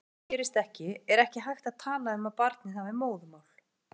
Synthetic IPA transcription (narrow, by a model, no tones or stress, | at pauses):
cɛːɾɪst̪ɛhcɪɛɾɛhcɪɦajxt̪aðt̪ʰaːlaʏmaðpaɾt̪nɪθamɪmoːwðʏmawl̥